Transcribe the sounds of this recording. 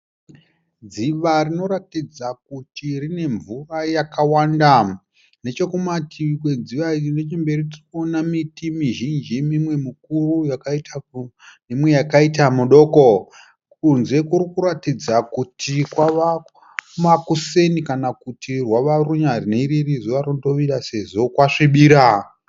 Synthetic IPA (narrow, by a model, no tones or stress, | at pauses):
d͡ziʋarino̞ɾatid͡zak̚utirine̞ɱvurajakawaːnda | ne̞t͡ʃo̞kumatʰik̬we̞d͡ziʋaiinet͡ʃimbe̞ɾiti̥konamitimiʒind͡ʒimimwe̞muk̚urujakaita | nemwe̞jakaitamuɗo̞ːko | kunze̞kuɾikuɾatid͡zakutʰikwaʋa | makuse̞nikanakutirwaʋaruɲarineiɾirizoʋaɾodo̞ʋiraseʐo̞kwaʂiɓiːɾa